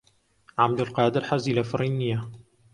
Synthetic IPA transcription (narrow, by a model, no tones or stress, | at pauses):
ʕab̚d̪ɪlqɑːd̪ɪɾħazilafɾˤinɪja